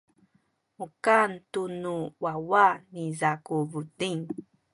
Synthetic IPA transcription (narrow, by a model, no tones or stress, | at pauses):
ukantunuwawanizakuvudiŋ